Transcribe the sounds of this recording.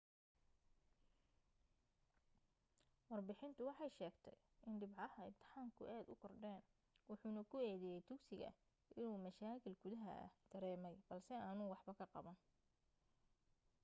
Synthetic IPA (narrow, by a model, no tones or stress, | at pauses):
wɑrbɪħɪnt̪ʰʊwɑħɑjʃɛːɡt̪ʰɛj | ʔɪnɖɪbʕɑhɐɪmt̪ʰɪ̥ħaːmkʰʊʔɛːd̪ʊ̰kʰɔrɖɛːn | wʊħuːnɐkʰʊɛːðɛjɛjt̪ʰʊksɪɣɐ̰ | ʔɪnuːmɐʃaːkʰɪlɡʊðɐɦɐ̰ʔɐ̰hd̪̥ɐɾɛːmɛjb̥ɐlsɛaːnʊwɑħbɐkʰɐqɑ̰βɐn